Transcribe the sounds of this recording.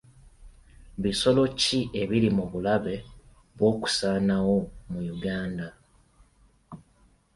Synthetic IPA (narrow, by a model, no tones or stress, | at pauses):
βiso̞lo̞ciʔe̞βilimuβulaβe̞ | βwo̞ːku̥saːnawo̞mujuɡaːnda